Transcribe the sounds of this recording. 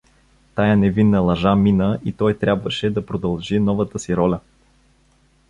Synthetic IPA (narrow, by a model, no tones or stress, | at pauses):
t̪ajənɛvinːəlˠɐʒaminəʔit̪ɔjt̪ɾʲabvəʃɛd̪ɐpɾod̪ɐlˠʒinɔvət̪əsiɾɔlʲə